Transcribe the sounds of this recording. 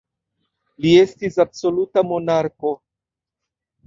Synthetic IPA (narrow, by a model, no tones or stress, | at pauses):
lie̞stisabso̞lutamo̞naɾko